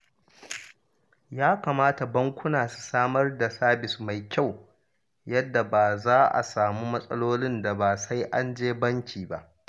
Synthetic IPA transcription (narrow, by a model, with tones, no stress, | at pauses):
jaː˦kaː˨maː˦ta˨bɐ˦ŋkʷʊ˦naː˨su̥˨saː˦mɐ˦rda˨saː˦bɪ˨sma˨jkʲa˦˨w | jɐ˦dːa˨baː˨zaː˦ʔa̰˨saː˨muː˦mɐ˦sʼɐ˦loː˦lɪ˦nda˨baː˨sa˦jʔa˦nd͡ʒeː˦bɐ˦ŋkʲiː˨ba̰˦ʔ